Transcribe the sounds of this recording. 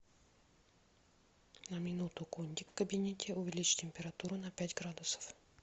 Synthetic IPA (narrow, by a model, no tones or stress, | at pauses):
nɐmʲinut̪ʊkonʲd̪ʲikkəbʲinʲet̪ʲɛʊvʲilʲit͡ʃtʲempʲɛɾat̪uɾunɐpʲæt̪ʲɡɾad̪ʊsə̥f